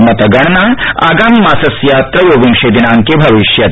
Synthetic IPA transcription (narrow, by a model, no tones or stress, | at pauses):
mɐt̪ɐɡɐɳ̃naːaːɡaːmimaːsɐsjat̪ɾɐjoːʋimʃeːd̪inaːŋkeːbʱɐʋiʃjɐt̪